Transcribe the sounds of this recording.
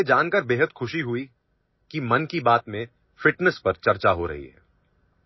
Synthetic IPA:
ed͡ʒaːnkəɾbeːɦəd̪xʰʊʃiɦʊi | kimɐnkibaːt̪mẽ | fɪʈnəspɐɾt͡ʃɐɾt͡ʃaɦoɾɐ̰ɦḭɦɛ̰ː

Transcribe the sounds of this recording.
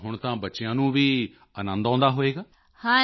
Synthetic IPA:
ɦʊɳ̃t̪ãːbətːʃɪjãːnũːʋiː | ənə̃nd̪ãːnd̪aːɦoːeːɡaː | hãː

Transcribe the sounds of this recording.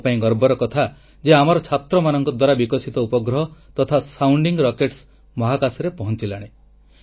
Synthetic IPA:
paĩɡɔɾbɔɾɔkɔt̪ʰa | d͡ʒeamɔɾɔt͡ʃʰat̪ɾɔmanɔŋkɔd̪waɾabikɔsit̪ɔupɔɡɾɔɦɔt̪ɔt̪ʰasawɳɖiŋɡɾɔkeʈs | mɔɦakasɔɾepɔɦɔnt͡ʃilaɽ̃e

